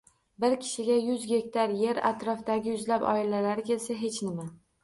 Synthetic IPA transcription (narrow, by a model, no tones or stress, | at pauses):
bɪɾkʲʰɪ̥ʃɪɡʲajʊzɡʲe̞kʲt̪ʰaɾje̞ɾa̰t̪ɾɒfd̪aɡʲɪjʊzlapɒ̰ɪlalaɾɪkʲe̞lsaɦe̞t͡ʃnɪma